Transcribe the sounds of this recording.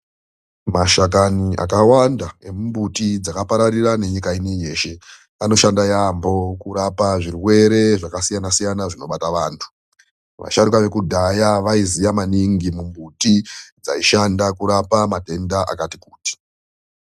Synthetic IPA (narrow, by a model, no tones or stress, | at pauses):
maʃak̬aniʔa̰kawandae̞mumbutid͡zakapaɾarirane̞ɲikainije̞ːʃe̞ | ano̞ʃandajambo̞kuɾapaʐirwe̞ɾe̞ʐakasijanasijanaʐino̞ɓataʋaːntʰu̥ | ʋa̰ʃarukaʋe̞kudʱajaʋaizijamaniŋɡimumbutid͡za̰iʃandakuɾapamate̞ndaʔa̰katikuːti̥